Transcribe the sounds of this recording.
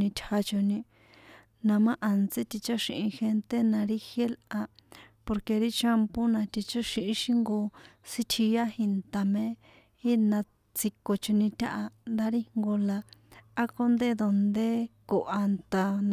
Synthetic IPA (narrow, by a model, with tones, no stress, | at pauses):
ĩ˧t̪ʲʰha˧t͡ʃo˧nĩ˧ | nã˧mã˦ʔa˨nt͡se˦t̪i˧t͡ʃa˦ʃĩ˧ʔĩ˧xe˧nt̪e˦nã˧ɾi˦xje˦la˧po˧ɾke˧ɾi˦t͡ʃa˦mpo˦nã˧t̪i˧t͡ʃa˦ʃĩ˧ʔĩ˧ʃĩ˦ŋɡo˧si˦t̪ʰi˧ja˦hi˧nt̪a˨mẽ˦ | i˦nã˧ | t͡si˧ko˧t͡ʃo˧nĩ˧t̪ʲa̰˦ʔa˧nd̪a˦ɾi˦ŋŋɡo˧laː˧˦ko˦nd̪e˦d̪o˧nd̪e˦ko˨ʔa˧nt̪a˧n